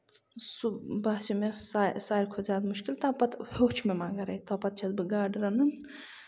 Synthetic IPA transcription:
subaːsimesasaːɾkʰozʲaːd̪muʃkilt̪aːpɐt̪hoːt͡ʃʰmemaːɡɐɾɐit̪ɐːpɐt̪̚t͡ʃʰɐzbɨɡaːɖɾɐnɨn

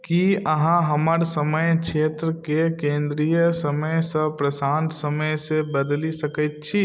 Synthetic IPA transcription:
kiəɦãɦɐməɾsəməjkʃʰeːt̪ɾəkekẽːnd̪ɾijəsəməjsəpɾəsãːnt̪səməjsebəd̪lisəkət̪t͡ʃʰi

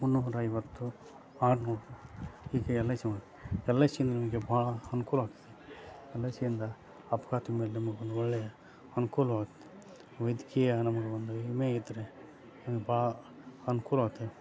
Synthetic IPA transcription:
munːuɦɾɐjʋɐt̪ːu | aːɖnoːuhiːkeɛlːɐsimaːɡt̪eɛlːɐsind̪ɐnɐmɐɡebʱaːɭɐɐnukuːlɐaːɡt̪ːeɛlːɐsɐjind̪ɐ | ɐpɐkaːt̪imeːlnɐmɐɡeond̪uɔɭːɛjɐ | ɐnukuːlɐʋaːɡt̪ːe̥ | ʋɐjd̪ikijɐnɐmɐɡeond̪umeːid̪ɐɾe | nɐmɐɡebaːɭɐ | ɐnukuːlaːɡt̪ːe

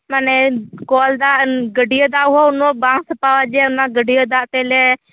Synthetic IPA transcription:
manekoːld̪aːɡəɖijoːd̪aːɦoːʊnoːbãːŋsəpaːʋad͡ʒeːʊnãːɡəɖijoːd̪aːt̪eːle

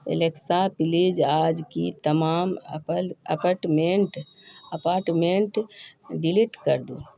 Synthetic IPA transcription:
ḛleksapilid͡ʒad͡ʒkit̪əmaːm | əpaɾʈmẽɳʈəpaːɾʈmẽɳʈɖiliʈkəɾd̪ṵ

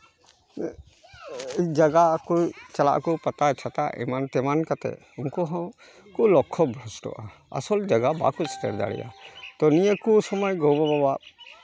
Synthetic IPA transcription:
id͡ʒaɡakɔt͡ʃala̰ʔkɔpat̪at͡ʃʰat̪aʔɛ̰mant̪ɛmankat̪ɛ̰ | uŋkɔɦɔ̃ | kɔlɔkʰːɔbʱɾɔsʈɔ̰ʔa | a̰sɔld͡ʒaɡaba̰kusʈɛ̰ɾd̪a̰ɽɛ̰ja̰t̪ɔnijəkusɔmɔjɡɔwbababa

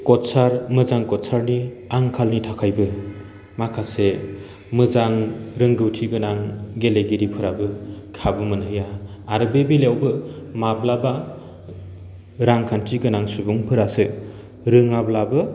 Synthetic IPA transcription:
kɔtsaɾmɯzaŋkɔtsaɾniaŋkʰalnitʰakʰajbɯ | makʰase | mɯzaŋɾɯŋɡɯwtʰiɡɯnaŋɡeleɡiɾipʰɯɾabɯkʰabɯmɯnɦɯjaː | ɾɯbebiljawbɯmablaba | ɾaŋkʰantʰiɡɯnaŋsubuŋpʰɯɾasɯ | ɾɯŋablabɯ

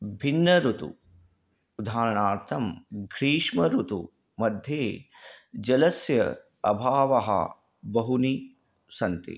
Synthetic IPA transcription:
bʱinːɐɾut̪ṵː | d̪ʱaːɾɐɳaːɾt̪ʰɐmɡʱɾiːʂmɐɾut̪ṵ | mɐd̪ʱjeː | d͡ʒɐlɐsjɐ | ɐbʱaːʋɐɦɐ̰ | bɐɦuni | sɐnt̪ḭ

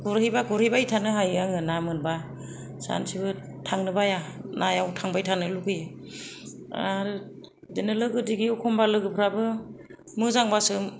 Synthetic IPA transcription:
ɡɔɾhijbakɔɾhijbajtʰanɯɦajaŋɯnamɯnba | sa̰nsʰibɯ | tʰaŋnɯbajanajawtʰaŋbajtʰanɯlukʰɯjɯ | a̰ɾɯ | dinɯlɯɡɯdiɡiɔkʰɔmbalɯɡɯpʰɯɾabɯ | mɯzaŋbasɯm

